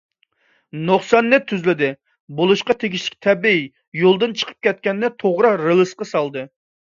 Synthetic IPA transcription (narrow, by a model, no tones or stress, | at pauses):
noχsɑnːɛt̪ʰːyzlɪd̪ɪ | bolˠuʃqɑt̪ʰeɡʲiʃlɪ̥kʲt̪ʰɛbii | jolˠd̪ɨnt͡ʃʰə̥qʰə̥p̚kʲʰɛt̪̚kʲɛnːɪt̪ʰoʁɾɑɾɨlˠɨsqɑsɑlˠd̪ɨ